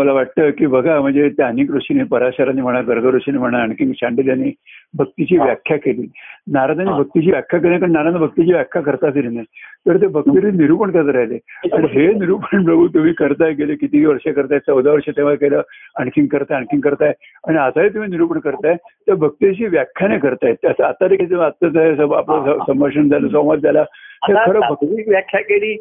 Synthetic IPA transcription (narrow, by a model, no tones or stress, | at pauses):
məlaʋaʈ̚t̪əkiːbəɡʱam̤əɳd͡zet̪eənikɾoʂinepəɾaɕaɾanim̤əɽ̃aɡəɾɡʱəɾoʂinem̤əɽ̃aəɳkiŋɡt͡ɕʰaɳɖiljaniːbʱək̚t̪it͡ɕiːʋjakʰːjakeliːnaɾad̪aniːbʱək̚t̪it͡ɕiːʋjakʰjak̬elnakəɳnaɾanabʱək̚t̪it͡ɕiːʋjakʰjakəɾt̪aːsiɾinat̪əɾt̪̬ebʱək̚t̪iɾiniɾupəɳkəɾt̪əɾaɦleaniɦeniɾupəɳpɾəbʱut̪um̤iːkəɾt̪ajeɡelekit̪iʋiːʋəɾʂakəɾt̪aet͡səwd̪aʋəɾʂat̪ẽʋ̤akeləːəɳkʰiŋɡkəɾt̪aaɳkʰiŋkəɾt̪ae | aɽ̃iat̪aɦet̪̬um̤iːniɾuːpəɳkəɾt̪aet̪əɾbʱək̚t̪it͡ɕiːʋjakʰːjanekəɾt̪aet̪əsaat̪aɾeket̪eat̪ːət̪aesəa̰plasəməɾʂəɳd͡zaləsõwʋat̪̚d͡zalat̪eɾkʰəɾəbʱək̚t̪ikʋjakʰːjakeliː